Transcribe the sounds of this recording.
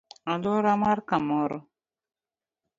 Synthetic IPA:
aluɾamaɾkamɔɾɔ

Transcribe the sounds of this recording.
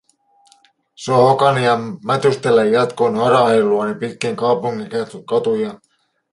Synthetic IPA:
seohokɑniɑmæt̪yst̪elːæjːɑt̪konɑɾɑhelːuɑnipit̪k̟eŋkɑupuŋːikɑt̪kɑt̪ujɑ

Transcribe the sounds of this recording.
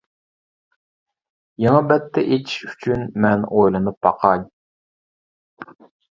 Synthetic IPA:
jeŋɑbɛt̪ʰːɛʔet̪ʰi̥ʃy̥t͡ʃʰynmɛnojlˠɨnɨp̚bɑ̰qʰɑɲ

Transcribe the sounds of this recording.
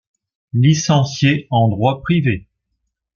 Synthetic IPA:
lisɑ̃sjeɑ̃d̪ʁwapχive

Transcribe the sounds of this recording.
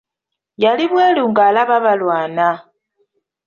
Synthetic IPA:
jaliβweːluŋɡalaβaβalwaːna

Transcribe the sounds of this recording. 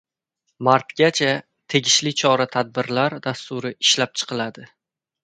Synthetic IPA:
maɾt̪ɡʲat͡ʃʰa | t̪ʰe̞ɡʲɪʃlɪt͡ʃʰɒɾat̪ʰad̪̚bɪɾlaɾd̪ast̪ʊɾɪɪʃlap̚t͡ʃʰɨ̥qʰɨlad̪ɪ

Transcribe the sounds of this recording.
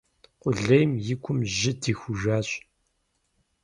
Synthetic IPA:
qʷʊɮɐjmjɪkʷʰʊmʒɪdixʷʊʒaːɕ

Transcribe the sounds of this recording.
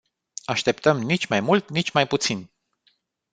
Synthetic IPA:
aʃt̪e̞pt̪əmnit͡ʃʲmajmult̪nit͡ʃʲmajput̪sin

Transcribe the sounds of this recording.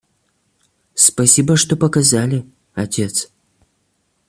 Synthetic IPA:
spɐsʲibəʂt̪opɐkɐzalʲɪ | ɐtʲet̪s

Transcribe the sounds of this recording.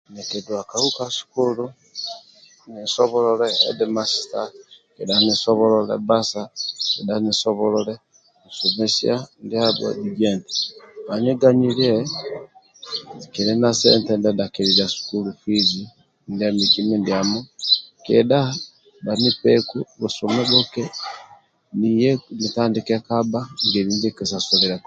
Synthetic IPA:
nɛkɛdwakahukasu̥kulu | nisɔβɔlɔlɛ̰ːdɛmasi̥takɛɗanisɔβɔlɔlɛ̰basakɛɗanisɔβɔlɔlɛ | isumɛsiandiadɔ̰diɡɛnti̥βaɲɛɡaɲiljɛ | kɛɾɛnasɛ̰ntɛndadakɛɾiɾasu̥kulufizi | ndiamikimindiamukɛ̰da | danipɛkuβusumɛbokɛ | nijɛnitandikɛkabaŋɡɛɾindɛkisasoliɾak

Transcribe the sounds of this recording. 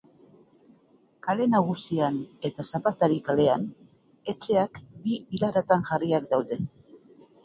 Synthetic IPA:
kale̞naɣusiane̞t̪asapat̪aɾikale̞an | e̞t͡ʃe̞akbiβilaɾat̪aŋʝariakd̪awðe̞

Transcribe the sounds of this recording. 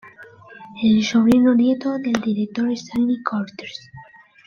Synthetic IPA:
elsoβ̞ɾinonjet̪oðe̞ld̪iɾek̚t̪o̞ɾest̪alnikʰoɾt̪eɾs

